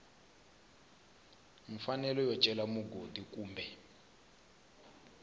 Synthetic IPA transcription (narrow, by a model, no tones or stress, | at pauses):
mifanɛlɔjɔt͡ʃʼɛlamuɡodik̬ʼuːmbʱɛ